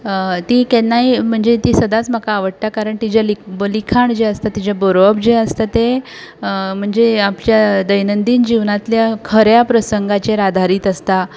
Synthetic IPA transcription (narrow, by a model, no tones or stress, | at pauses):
t̪ikɛnːaim̤əɳd͡zet̪iːsəd̪at͡sm̤əkaːʋəɽt̪akaɾəɳt̪id͡ʑalibəlikʰaɳd͡ʑeəst̪at̪id͡ʑabəɾəbd͡ʑeəst̪at̪e | m̤əɳd͡zeapljad̪əjnənd̪iːnd͡ʑiʋnat̪ljakʰəɾjapɾəsəŋɡat͡ɕeɾad̪ʱaɾiːt̪əst̪a